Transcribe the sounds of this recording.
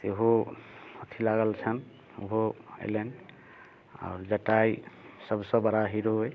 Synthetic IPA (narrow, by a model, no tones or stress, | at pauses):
seɦoot̪ʰilaɡəlt͡ʃʰən | ṵɦoḛlenɖ | a̰ʊɾd͡ʒəʈajsəbsə̃bəɽaɦiɾoɦoj